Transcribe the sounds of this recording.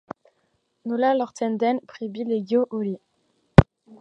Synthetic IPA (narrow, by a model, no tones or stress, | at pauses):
nolalɔʁt̪ɛnd̪ɛnpχebileɡjoʔoli